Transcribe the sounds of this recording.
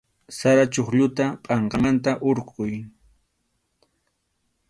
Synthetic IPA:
saɾat͡ʃoχʎʊt̪apʼɑɴɢɑmant̪aʔoɾqʊj

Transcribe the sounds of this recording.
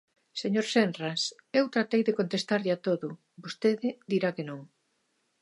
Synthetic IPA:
seɲoɾsenras | ewt̪ɾat̪ejðekont̪est̪aɾʎat̪oðʊ | bost̪eðɪd̪iɾakenõŋ

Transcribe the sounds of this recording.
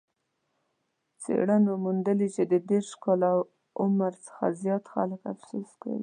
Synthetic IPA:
t͡sḛɽanomund̪əlit͡ʃed̪əd̪eɾʃkɑlaw | ʊmaɾt͡sə̥xa̰zjɑt̪xa̰ləkafsuska̰wi

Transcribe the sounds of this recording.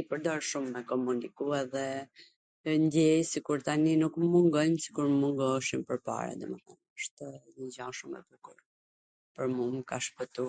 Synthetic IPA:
ipəɾd̪ɔɾʃumːɛkɔmunikuɛðɛ | nd̪ɛjsikuɾt̪aninukmuŋɡɔjmsi̥kuɾmuŋɡɔʃimpəɾpa̰ɾa̰d̪ɔməθɛ̰nəʃt̪ɲəd͡ʑaʃumɛ̰bukuɾ | pəɾmumkaʃpət̪u

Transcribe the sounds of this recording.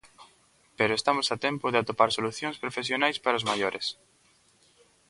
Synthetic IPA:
peɾoest̪amosat̪empoðeat̪opaɾsoluθjoŋspɾofesjonajspaɾaozmaʎoɾʔes

